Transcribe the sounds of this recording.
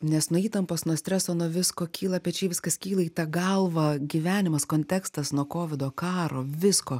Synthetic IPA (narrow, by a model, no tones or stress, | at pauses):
nʲɛsnuɔiːt̪ɐmpoːsnuɔsʲt̪ʲɾʲɛsoːnuɔʋʲɪskoːkʲiːlˠɐpʲɛt͡ʃʲɛːʋʲɪskɐskʲiːlˠɐit̪ɑɡɐlˠʋɐɡʲiʋʲæːnʲɪmɐskoːnʲt̪ʲɛkst̪ɐsnuɔkoːʋʲɪd̪oːkɑːɾoːʋʲɪskoː